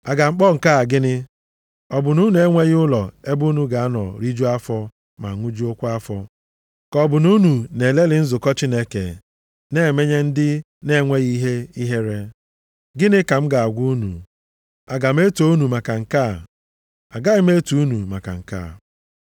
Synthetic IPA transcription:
a˨ɡa˨ŋ͡m̩˦k͡pɔ˦ŋ̩˨ka˦˨ɡɪ˦nɪ˦ | ɔ˨bʊ˨nu˦nu˨˦e˦ŋʷe˦ɣɪ˦ʊ˦lɔ˨e˦bu˦nu˦ɡa˨a˦nɔ̰˨ɾi˦d͡ʒu˦a˦fɔ˦ | ma̰˨ŋʷu˦d͡ʒu˦o˦kʷʊ˦a˦fɔ˦ | kɔ˦bʊ˨nu˦nu˨ne˨le˦lɪ˨n̩˦zʊ˨kɔ˦t͡ʃi˦ne˦kḛ˨ | ne˦e˨me˦ɲe˦n̩˦dɪ˦ | ne˦˨ŋʷe˦ɣi˦ɦe˦i˦ɦe˦ɾe˦ | ɡɪ˦nɪ˦ka˨m̩˦ɡa˨a˨ɡʷu˦u˦nṵ˨ | a˨ɡa˨m˦e˦to˦u˦nu˨ma˨ka˨ŋ̩˨ka˦˨ | a˨ɡa˦ɣɪ˦m˦e˦tu˨u˦nu˨ma̰˨ka̰˨ŋ̩˨ka̰ː˦˨

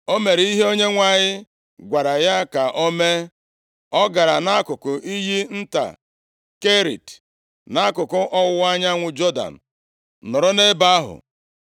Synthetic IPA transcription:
o˦me˨ɾi˦ɦe˦o˦ɲe˦ŋʷa˨ɲɪ˦ | ɡʷa˨ɾa˨ja˦ka˨ʔo˦me˦ | ɔ˦ɡa˨ɾa˨na˦kʊ˨kʊ˨ʔi˦ɦi˦n̩˦ta̰˨ | ke˦ɾḭ˨t | na˦a˦kʊ˨kʊ˦ʔɔ˦wʊ˦a˦ɲa˦ŋʷʊ˨d͡ʒɔ˦da̰˨n̩˨ | nʊ˨ɾʊ˦ne˦ba˦a˦ɦʊ̰˨

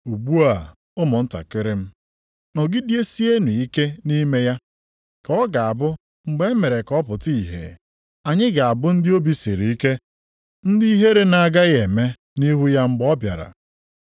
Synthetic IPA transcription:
u˨ɡ͡bu˦a˨ | ʊ˦mʊ˨n̩˦ta̰˨kɪ˦ɾɪ˦m̩˦ | nɔ˨ɡi˦di˦e˦si˦e˦nu˨i˦ke˦ni˦me˦ja˦ | kɔ˦ɡa˨a˨bʊ˦ | ŋ͡m̩˨ɡ͡be˦e˦me˨ɾe˨kɔ˦pʊ˨ti˦˨ɦḛ˨ | a˨ɲɪ˦ɡa˨a˨bʊ˦n̩˦dɪ˦o˦bi˦sḭ˨ɾi˨i˦ke˦ | n̩˦dɪ˦i˦ɦe˦ɾe˦na˨ɡa˦ɣe˨me˦ | ni˦ɦu˦ja˦ŋ͡m̩˦ɡ͡bɔ˦bja̰˨ɾa̰˨

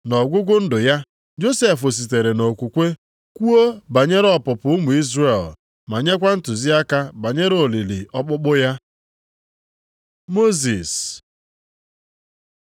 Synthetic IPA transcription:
nɔ˨ɡʷʊ˦ɡʷʊ˦n̩˦dʊ˨ja˦ | d͡ʒo˦se˦fʊ˨s̬i˨t̬e˨ɾe˨no˨kʷu˨kʷe˦ | kʷu˦o˦ba˨ɲe˦ɾɔ˨pʊ˨pʊ˨˦ʊ˦mʊ˨i˦zre˦˨l | ma˨ɲe˦k̬ʷa˦n̩˦tʊ˨zi˦a˦ka˦ba˨ɲe˦ɾo˨li˨lḭ˨ʔɔ˦k͡pʊ˦k͡pʊ˦ja˦ | mo˦zi˨s

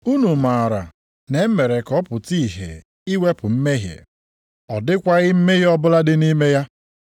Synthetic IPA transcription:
u˦nu˨ma˨ɾa˨ | ne˨˦me˨ɾe˨kɔ˦pʊ˨ti˦˨ɦḛ˨ | i˦we˦pʊ˨m̩˦me˦ɦjḛ˨ | ɔ˨dɪ˦kʷa˦ɣɪ˦m̩˦me˦ɣe˦ɔ˦bʊ˦la˦dɪ˦ni˦me˦ja˦

